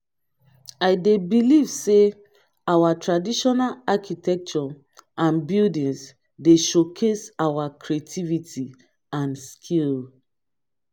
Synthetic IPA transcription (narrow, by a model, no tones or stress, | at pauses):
aɪdebilivse | awatɹadiʃɔnalakitʰɛk̚t͡ʃɔ | ʔãnbildĩns | deʃokʰesawakʰɹietʰivitʰi | ãnskʰil